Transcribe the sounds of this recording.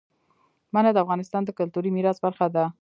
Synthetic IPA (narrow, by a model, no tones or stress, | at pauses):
manad̪əafɣɑnɪst̪ɑnd̪əkʊlt̪uɾimiɾɑsbaɾxad̪a